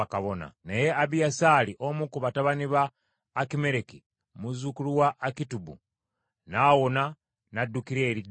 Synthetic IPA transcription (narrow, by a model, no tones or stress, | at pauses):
akaβona̰nejeʔaβijasaliʔomukuβataβaniβaː | kime̞ɾeki | muzukuluwaʔːkitubṵ | naːwona | nadːukiɾeːɾid